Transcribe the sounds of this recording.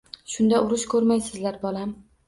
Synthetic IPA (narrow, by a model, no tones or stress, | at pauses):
ʃʊnd̪aʊɾɪʃkʰɵɾmajsɪzlaɾbɒlam